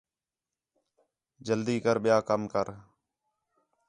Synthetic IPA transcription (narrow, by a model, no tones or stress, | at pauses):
d͡ʒəld̪iːkəɾɓɪjaːkəmkəɾ